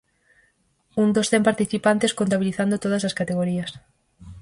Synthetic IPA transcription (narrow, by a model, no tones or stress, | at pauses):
und̪osθempaɾt̪iθipant̪eskont̪aβiliθand̪ot̪oð̞ɐsɐskat̪eɣoɾiɐs